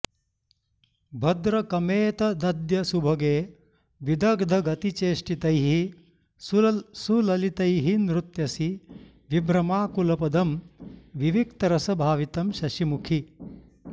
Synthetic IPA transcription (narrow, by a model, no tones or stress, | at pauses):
bʱɐd̪ɾɐkɐmeːt̪ɐd̪ɐd̪jɐsubʱɐɡeː | ʋid̪ɐɡd̪ʱɐɡɐt̪it͡ʃeːʂʈit̪ɐjɦi | susulɐlit̪ɐjɦinɾut̪jɐsi | ʋibɾɐmaːkulɐpɐd̪ɐmʋiʋikt̪ɐɾɐsɐbʱaːʋit̪ɐmʃɐʃimukʰi